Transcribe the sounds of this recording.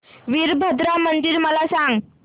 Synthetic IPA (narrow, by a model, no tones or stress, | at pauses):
ʋiɾbʱəd̪ɾamənd̪iːɾməlasaŋɡ